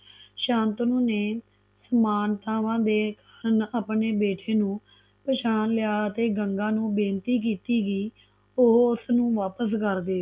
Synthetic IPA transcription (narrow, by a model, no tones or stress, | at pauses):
ʃãːnt̪nũːneː | səmaːnt̪aːʋãːd̪eːkḁːɾənaːpneːbeːʈʰeːnũː | pət͡ʃʰaːnlɪjaːət̪eːɡəŋɡãːnũːbẽːnt̪iːk̬iːt̪iːɡiː | ʊɦʊsnũːʋaːpəs̬kəɾd̪eː